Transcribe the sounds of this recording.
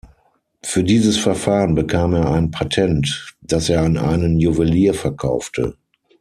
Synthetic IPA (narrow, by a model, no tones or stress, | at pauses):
fyːɐdiːzəsfɛɐfaːʁənbəkʰaːmeːɐaɪnpʰatʰɛntd̥aseːɐanʔa̰ɪnənjuvəliːɐfɛɐkʰaʊftʰə̰